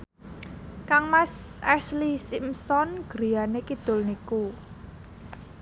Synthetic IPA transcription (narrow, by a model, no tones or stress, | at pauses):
kaŋmasɛslisimsɔnɡ̥ɾijanekid̪̥ʊ̤lniku